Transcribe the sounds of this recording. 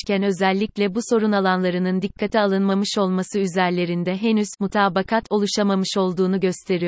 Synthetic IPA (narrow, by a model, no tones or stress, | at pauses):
cʰænø̞zɛlʲːiclʲɛbuso̞ɾunalˠanlˠaɾɯnɯnd̪ikʰːat̪ʰialˠɯnmamɯʃo̞lˠmasɯyzæɾlʲe̞ɾind̪ɛɦenyz̥mut̪ʰaːbakʰat̪ʰo̞lˠuʃamamɯʃo̞lˠd̪uːnuɟø̞st̪ʰe̞ɾijo